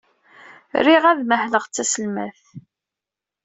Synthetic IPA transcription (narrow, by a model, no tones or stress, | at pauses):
riʁæðməhləʁt͡sːæsəlmæ̰θ